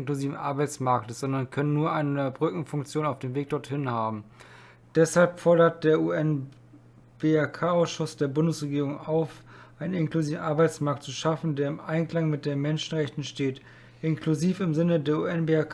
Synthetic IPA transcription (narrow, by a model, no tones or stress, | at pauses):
nkluziːvn̩ʔa̰ɐbaɪt͡smaɐk̚təsz̥ɔndɐnkʰœnənːuːɐʔaɪnəbʁʏkŋ̩fʊŋk̚t͡sjoːnaʊfd̥eːmveːk̚d̥ɔɐthɪnhaːbm̩ | d̥ɛshalpfɔɐɾɐt̚d̥eːɐʔuɛn | b̥eːakʰaːaʊsʃʊsd̥eːɐbʊndəsʁeɡiːʁʊŋaʊfʔʔaɪnənɪnkluziːvn̩ʔaɐbaɪt͡smaɐk̚tt͡suʃafn̩deːɐɪmʔaɪnkl̥aŋmɪt̚d̥eːnmɛnʃn̩ʁɛçtn̩ʃteːt | ʔɪnkʰluziːfɪmzɪnədeːɐṵːɛnbeak